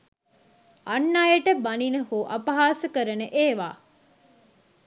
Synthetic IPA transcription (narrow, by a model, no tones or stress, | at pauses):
ɐnːaːjeʈəbɐninəhuːʔɐpɐɦaːsəkəɾənəʔeːʋa̰ː